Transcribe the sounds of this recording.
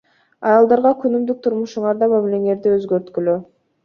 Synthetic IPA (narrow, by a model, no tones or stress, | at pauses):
ɑjɑlˠd̪ɑɾʁɑkʰynymd̪yk̚t̪ʰuɾmuʃuɴɑɾd̪ɑmamile̞ŋe̞ɾd̪iøzɡøɾt̪kylø